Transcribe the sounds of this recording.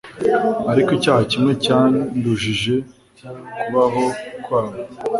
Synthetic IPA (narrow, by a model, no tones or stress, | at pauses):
aɾikicaːhacimŋe̞caːnduʒiʒe̞ | kuβaɦo̞kwaːma